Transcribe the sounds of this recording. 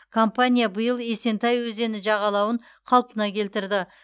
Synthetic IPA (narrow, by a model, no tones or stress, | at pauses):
kʰo̞mpanʲijabəjəlˠe̞se̞nt̪ɑjwɵze̞nɪʒɑʁɑlˠɑwəɴ | qʰɑlˠpənɑkʲʰe̞lt̪ɪɾd̪ɪ